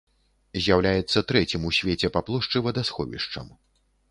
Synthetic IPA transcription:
zʲjawlʲajɛt̪sːɐt̪ɾɛt͡sʲimusʲvʲet͡sʲɛpaplˠɔʂt͡ʂɨvɐd̪asxɔvʲḭʂt͡ʂɐ̰m

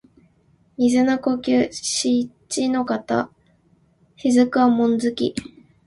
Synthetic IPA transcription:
mʲizɨnako̞kʲɨːɕi | t͡ɕino̞kat̪a̰ | çizɨkɯamõ̞nzɨkʲḭ

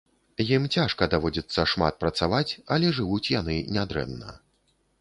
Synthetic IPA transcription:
jimt͡sʲaʂkɐd̪avɔd͡zʲit̪sːɐʂma̰t̪̚pɾɐt̪savat͡sʲɐlʲɛʐɨvut͡sʲjanɨnʲad̪ɾɛ̰nːɐ̰

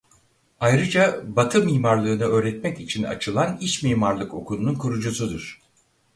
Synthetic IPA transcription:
ajɾɯd͡ʒabat̪ʰɯmiːmaɾlˠɯːnɯø̞ːɾɛt̪mɛcit͡ʃʰina̰t͡ʃʰɯlˠaniʃmiːmaɾlˠɯko̞kʰulˠununkʰuɾud͡ʒusud̪uɾ̥

